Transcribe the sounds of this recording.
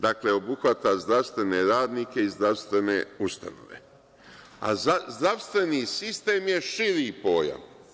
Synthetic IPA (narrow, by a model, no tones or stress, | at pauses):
d̪akle̞o̞buxʋat̪azd̪ɾaʋst̪ʋe̞ne̞ɾaːd̪niːke̞izd̪ɾaʋst̪ʋe̞ne̞ust̪a̰no̞̰ʋe̞̰ | a̰zazd̪ɾaʋst̪ʋe̞niːsist̪e̞ːmje̞ʃiɾipo̞ːja̰m